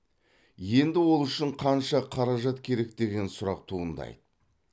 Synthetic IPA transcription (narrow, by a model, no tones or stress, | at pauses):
je̞nd̪ɪwo̞lˠʏʃɪɴqʰɑnʃɑqʰɑɾɑʒɑt̪kʲʰe̞ɾe̞k̚d̪e̞ɡʲe̞nsʊɾɑq̚t̪ʰuʁənd̪ɑ̰jd̪ə